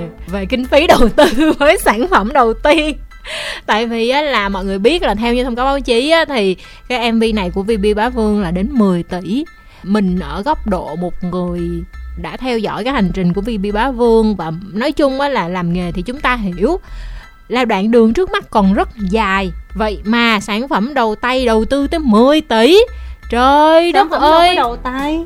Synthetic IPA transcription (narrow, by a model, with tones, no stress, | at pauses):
ve˨˩ki˧ŋ̟fi˨˦ɗə˨˩wt̪ɨ˧vəː˨˦jsaː˧˩nfə˧˩mɗə˨˩wt̪i˧ən | t̪a̰ː˧˨jvi˨˩ʔaː˨˦laː˨˩mɔ̰˧˨jŋɨ˨˩əjɓi˦˥ət̚laː˨˩t̪ʰɛ˧wɲɨ˧t̪ʰə˧ŋ͡mkaː˨˦wɓaː˨˦wt͡ɕi˨˦ʔaː˨˦t̪ʰi˨˩ | kaː˨˦˥jʔɛ˧mvi˧na˨˩jku˧˩əvi˧ɓi˧ɓaː˨˦vɨ˧əŋlaː˨˩ɗe˨˦nmɨ˨˩əjt̪i˧˩˨ | mï˨˩ŋ̟ʔəː˧˩ɣɔ˦˥wk͡p̚ɗo̰˧˨mo˨˩t̚ŋɨ˨˩əjɗa̰ː˧˥t̪ʰɛ˧wzɔ̰˧˥˨jkaː˨˦jha˨˩jŋ̟t͡ɕï˨˩ŋ̟ku˧˩əvi˧ɓi˧ɓaː˨˦vɨ˧əŋvaː˨˩nɔ˨˦jt͡ɕʊ˧ŋ͡mʔəː˨˦laː˨˩laː˨˩mŋe˨˩t̪ʰi˨˩t͡ɕʊ˨˦ŋ͡mt̪aː˧ɦi˧˩˨əw | laː˧wɗwa̰ː˧˨nɗɨ˨˩əŋt͡ɕɨ˦˥ək̚ma˦˥t̚kɔ˨˩nzə˦˥t̚zaː˨˩jvə̰˧˨jmaː˨˩saː˧˩nfə˧˩mɗə˨˩wt̪a˧jɗə˨˩wt̪ɨ˧t̪əː˨˦jmɨ˨˩əjt̪i˧˩t͡ɕəː˨˩jə˦˥˧ʔəː˧jɗə˨t̪a˧j